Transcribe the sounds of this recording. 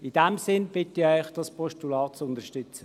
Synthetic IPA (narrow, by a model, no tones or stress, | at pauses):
id̥ɛmsɪnb̥ɪtiœʏχd̥ɑspʰɔʃtulɑːt̚t͡sʊndəʃtʏt͡sə